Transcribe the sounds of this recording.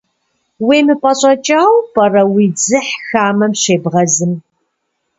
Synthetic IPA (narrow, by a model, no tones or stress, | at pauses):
wiːmɨpʼɐɕʼɐt͡ʃʼaːwpʼɐrɐwiːd͡zɨħxaːmɐmɕeːbʁɐzɨm